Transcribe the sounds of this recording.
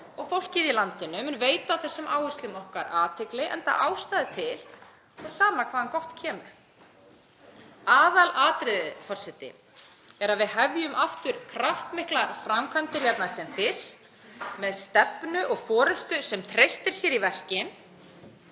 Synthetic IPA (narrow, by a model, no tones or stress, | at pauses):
ɔɣfowl̥ciðilant̪ɪnʏmnveːjt̪aːwθɛsːʏmaːwɪst̪lʏmɔhkaɾaːt̪ʰɪklɪʔɛ̰nt̪a̰ʔaːwst̪aːðɪt̪ʰɪl | θasaːmakʰvaːðankɔht̪cʰɛːmʏɾ̥ | aːðalaːt̪ɾɪðɪfɔr̥sɛt̪ɪ̰ | ɛɾaðvɪðɦɛvjʏmʔaft̪ʏɾ̥kʰɾaft̪mɪhklaɾfɾamkʰant̪ɪɾ̥jɛt̪nasɛmfɪ̥st̪ | mɛðst̪ɛpnʏʔɔɣfɔːɾʏst̪ʏsɛmt̪ʰɾejst̪ɪɾ̥sjɛɾivɛr̥cɪn